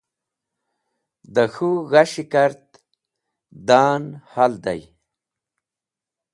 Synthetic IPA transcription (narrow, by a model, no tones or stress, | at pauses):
d̪əxuɣaɕikaɾt̪̚ | d̪aːnhald̪a̰j